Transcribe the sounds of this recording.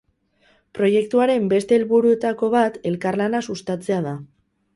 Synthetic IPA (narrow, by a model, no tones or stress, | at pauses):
pɾo̞je̞k̚t̪uaɾe̞mbe̞st̪e̞ːlβuɾue̞t̪ako̞βat̪e̞lkarlanasust̪at͡se̞að̞a